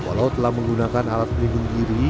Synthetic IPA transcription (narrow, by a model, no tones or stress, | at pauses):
wa̰lawt̪əlahməŋɡunakanalat̪̚libəndiɾi